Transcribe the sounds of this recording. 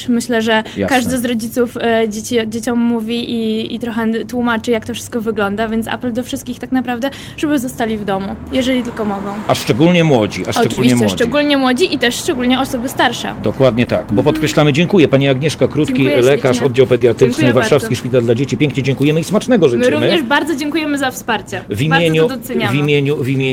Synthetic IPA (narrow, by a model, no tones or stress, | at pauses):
mɘɕlɛʐɛkaʐd̪ɘzɾɔd͡ʑit̪sufd͡ʑet͡ɕid͡ʑet͡ɕɔmːuvʲiʔiit̪ɾɔxɛt̪wumat͡ʂɘjak̚t̪ɔfʂɘ̥st̪kɔvɘɡlɔnd̪avʲjɛnt̪sa̰pɛld̪ɔfʂɘst̪̚kʲixt̪aknapɾavd̪ɛ | ʐ̥ɛbɘzɔst̪alʲivd̪ɔmujɛʐɛlʲit̪ɘlkɔmɔɡɔ̃w̃aʂt͡ʂɛɡulɲɛmwɔd͡ʑḭaʂuviɲɕɛt͡ɕɛʂd͡ʑɛɡulɲɛmwɔd͡ʑiʔit̪ɛʂʂt͡ʂɛɡulɲɛɔsɔbɘst̪aɾʂɛ̰d̪ɔkwad̪ɲɛt̪akbɔpɔt̪̚kɾɛɕlamɘd͡ʑɛŋkujɛpaɲiaɡɲɛʂkakɾut̪kkʲilɛkaʂɔd̪d͡ʑawpɛd̪ʲjat̪ɛsnɛvaɾʂafskiʂpʲit̪ald̪lad͡ʑet͡ɕipʲɛŋkɲɛd͡ʑɛŋkujɛmɘismat͡ʂnɛɡɔʐɨmt͡ɕɛɾuvmɘɲɛʐbaɾd̪zɔd͡ʑeŋkujɛmɘzafspaɾt͡ɕɛvimʲjeɲud̪sɛɲavimʲjeɲuvimʲe